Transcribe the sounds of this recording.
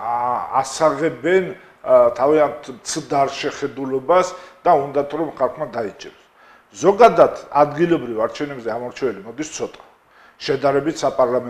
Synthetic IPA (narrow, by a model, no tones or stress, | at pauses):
a̰saʁɛbɛn | t̪ʰaviant̪ʰmt̪sʰd̪aɾʃɛχɛd̪ulɔbasd̪̥aund̪at̪ʰɾɔmχalˠχmad̪ait͡ʃʼɛɾs | zɔɡad̪ad̪ʰa̰d̪ɡilɔbɾivaɾt͡ʃʰɛvnɛbzɛamɔɾt͡ʃʰɛvɛlimɔd̪ist̪sʰɔt̪ʼḁ | ʃɛd̪aɾɛbit̪ʰsapʼaɾlamɛ